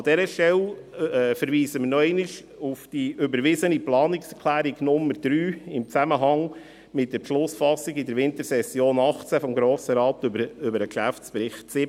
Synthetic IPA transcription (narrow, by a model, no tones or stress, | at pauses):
ɑd̥ɛɾəʃtɛlɛːfəɾʋiːsəmənɔɛɪnɪʃ | ufd̥iʔʏbəɾʋɪzəniplɑːniksɛɾkʰlæːɾiɡnʊmːəɾd̥ɾyːɪmt͡sæməɦɑŋ | mɪt̚d̥əɾpʃlʊsfɑsːiɡɪdəɾʋɪnt̪əɾsɛsjoːnɑχt͡sæfɔmɡɾoːsəɾɑːtbʏbəɾəkʃæft͡spɾɪχtt͡sɪ